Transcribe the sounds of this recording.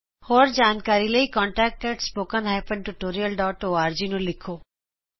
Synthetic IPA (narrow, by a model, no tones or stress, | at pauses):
hoːɾd͡ʒaːnkaːɾiləiːkɔ̃ːɳʈɛːk̚ʈkɐɾʈspoːkə̃nɦɛːpə̃ɳɖʈuʈoːɾijəlɖɔːʈoːaːɾd͡ʒiːnũːlɪkʰːoː